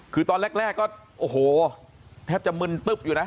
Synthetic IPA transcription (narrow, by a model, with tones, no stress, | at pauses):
kʰɯː˧t̪ɔː˧nlɛ˥˩k̚ɾɛː˥˩kːɔː˥˩ʔoː˨˧˩ɦoː˨˩ | t̪ʰɛː˥˩p̚t͡ɕa˨˩mɯ˧nt̪ɯ˦˥˩p̚juː˨˩na˦˥